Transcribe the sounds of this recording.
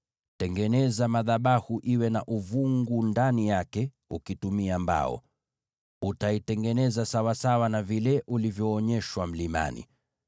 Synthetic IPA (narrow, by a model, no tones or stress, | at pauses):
tɛŋɡɛnɛzamaðaɓahuʔiwɛnaʔuvuŋɡundanijakɛ | ukitumiamba̰ɔ̰ | utaitɛŋɡɛnɛzasawasawanavilɛʔulivjɔːɲɛʃwam̩lima̰nḭ